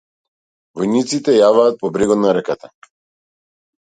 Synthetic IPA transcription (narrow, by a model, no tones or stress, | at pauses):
vɔjnit̪sit̪ɛjavaːt̪̚pɔbɾiɡɔd̪naɾɛkat̪a